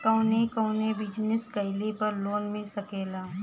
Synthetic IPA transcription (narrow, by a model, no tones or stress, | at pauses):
kɐʊnekɐʊnebɪd͡ʒnɪskɐɪlepɐɾloːnmɪlsɐkeːlaː